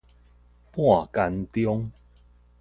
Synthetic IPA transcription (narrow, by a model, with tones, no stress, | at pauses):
pwɔã˥˨˩ka˧nt̪jo˦ŋ